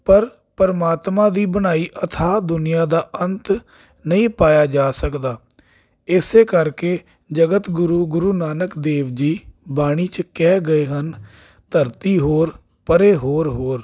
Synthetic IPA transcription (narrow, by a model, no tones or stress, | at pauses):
pəɾ | pəɾmaːt̪mãːd̪iːbəñaːiːʔət̪ʰaːd̪ʊnɪjaːd̪aːʔənt̪ | nəĩːpaːjaːd͡ʒaːsəkd̪aː | ɪseːkəɾkeː | d͡ʒəɡət̪ɡʊɾuːɡʊɾuːnaːnəkd̪eːʋd͡ʒiːbaːɽ̃iːt͡ʃkɛːɡəeːɦən | t̪əɾt̪iːɦoːɾ | pəɾeːɦoːɾɦoːɾ